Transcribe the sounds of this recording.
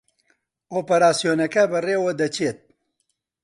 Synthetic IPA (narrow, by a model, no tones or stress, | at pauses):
oːpɐɾaːsijoːnɐkɐbɨreːwɐd̪ɐt͡ʃʰeːt̪̚